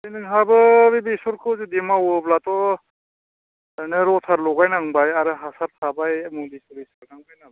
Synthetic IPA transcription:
ijnɯŋɦabɯbibisɔɾkʰɯwzidemawɯblatɔ | nɯɾɔtʰaɾlɔɡajnaŋbajaɾɯɦasaɾsʰabajmulisuɾiskaɾnaŋbajna

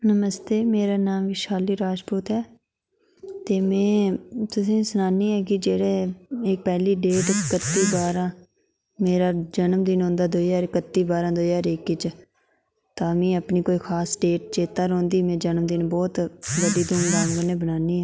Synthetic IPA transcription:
nəməst̪eːmeːɾaːnaːmʋiːʃaːliːɾaːd͡ʒpuːt̪ɦɛː | t̪eːmɛ̃ːt̪ʊsĩːsənaːniːɛːkɪd͡ʒeːɽeːɪk̚pɛːliːɖeːʈkət̪ːiːbaːɾãː | meːɾaːd͡ʒənəmd̪ɪnɦõːnd̪aːd̪oːjaːɾɪkət̪ːiːbaːɾãːd̪oːjaːɾeːkːɪt͡ʃ | t̪aːmĩːəpniːkoːiːkʰaːsɖeːʈ̚t͡ʃeːt̪aːɾõːnd̪iːmɛ̃ːd͡ʒənəmd̪ɪnbɔːt̪ʋəɖiːd̪ʊːnɡ̪ãːŋʋənẽːbənaːniːɛː

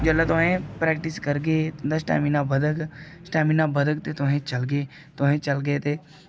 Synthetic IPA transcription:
d͡ʒəlːat̪ʊɦẽpɾɛːkʈɪskəɾɡəed̪əsʈa̰ːminãbəd̪əɡsʈaːminãbəd̪ək̚t̪et̪ʊɦẽt͡ʃəlɡeː | t̪ʊɦẽːt͡ʃəlɡəet̪eː

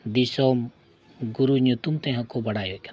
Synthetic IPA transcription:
d̪isoːm | ɡuɾuɲut̪umt̪ẽɦɐ̃koːbɐɽaːjoken

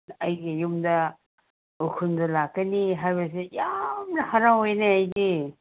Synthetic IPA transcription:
ajɡijumdɐ | ukʰundɐlakːɐniɦajbas̬ejamnɐhaɾaŋojneajɡi

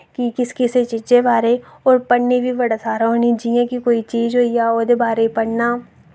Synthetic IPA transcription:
kikɪskɪset͡ʃɪt͡ʃebaːɾe | ɔːɾpɐɽnibʱiʋɐɽasaːɾɦonid͡ʒiẽkikoːit͡ʃiːd͡ʒɦoːijaoːd̪ebaːɾepɐɽnaː

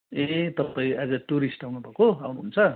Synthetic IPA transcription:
et̪ʌpaĩad͡zʌʈuɾisʈawnubʱakoawnuɦunt͡sʰʌ

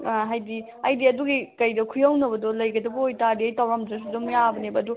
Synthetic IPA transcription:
ɦajdi | ɐjdiɐduɡikɐjdɐkʰujawnɐbɐdɔlɐjɡɐdɐbuojtadiɐjtawɾamdɾɐs̬udumjabɐnebɐːdu

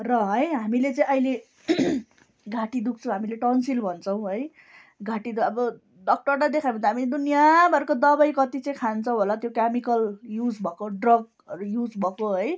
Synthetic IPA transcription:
rʌɦʌjɦamilet͡sʌĩʌile | ɡʱaʈid̪uk̚ʰt͡sʰʌ̃w̃ɦamileʈʌnsilbʱʌnt͡sʰʌw̃ɦʌj | ɡʱaʈid̪uʌbʌ | ɖʌk̚ʈʌrt̪ad̪ekʰajbʌ̃nt̪aɦamiled̪unijabʱʌɾukod̪ʌbajkʌt̪it͡sʌj̃kʰant͡sʰʌ̃w̃ɦolat̪jokamikʌljud͡zbʱʌkoɖrʌɡ̚ | ʌɾujud͡zbʱʌkoɦʌj

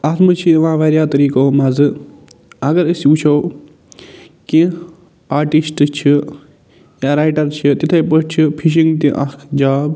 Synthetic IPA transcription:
at̪mɨt͡ʃʰiʋãːʋɐːɾjaːt̪ɐɾiːkomɐzɨ | ɐɡɐɾəsjũt͡ʃʰoː | ki | aːɾʈisʈt͡ʃʰi | jaːɾaːjʈɐɾt͡ʃʰit̪it̪ʰepəst͡ʃʰipʰiʃ̬ĩŋɡt̪iʔɐkkʰd͡ʒaːb

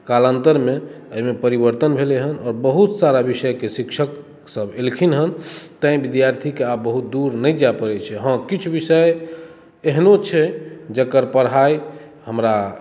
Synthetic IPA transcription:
kalənt̪əɾme | əimepəɾibəɾt̪ənbʱeleɦənɔːɾbəɦut̪saɾabisəjkesikʃʰək | səbelkʰinɦənt̪ə̃ĩbid̪jaɾt̪ʰikeabbəɦut̪̚d̪uɾnəjd͡ʒapəɾɛt͡ʃʰɛɦə̃kit͡ʃʰubisəj | eɦnot͡ʃʰɛd͡ʒəkəɾpəɾɦaj | ɦəmɾa

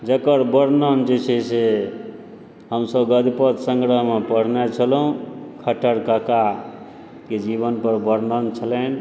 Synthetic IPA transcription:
d͡ʒəkəɾbəɾnənd͡ʒet͡ʃʰɛse | ɦəmsəbɡəd̪ipət̪səŋɡɾəɦmepəɽ̤net͡ʃʰəlɦũkʰəʈʰəɾkəka | ked͡ʒibənpəɾbəɾnənt͡ʃʰələn

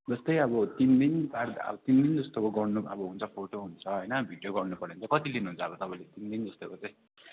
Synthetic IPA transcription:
d͡zʌst̪ʌjʌβʌt̪ind̪inbaɾd̪ʌ̰bʌt̪ind̪ind͡zʌst̪okoɡʌɽnuʌ̰bʌɦunt͡sʰʌpʰoʈoɦunt͡sʰʌɦʌjnʌbʱiɖjoɡʌrnupʌɽẽnt͡sʰʌkʌt͡silinuɦunt͡sʰʌːbʌt̪ʌpãĩlet̪ind̪ind͡zʌst̪okot͡sãj̃

